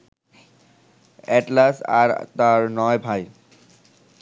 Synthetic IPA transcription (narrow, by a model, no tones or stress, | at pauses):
ɛʈlasa̰ɾt̪aɹnɔjbʱaj